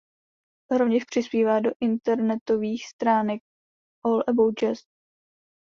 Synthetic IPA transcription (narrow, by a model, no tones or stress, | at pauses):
ɦɾovɲɛʃpr̝̥ɪspiːvaːdo̞ʔɪnt̪ɛɾnɛt̪o̞viːxst̪ɾaːnɛk̚ | ʔolʔɛbowt͡ʃɛs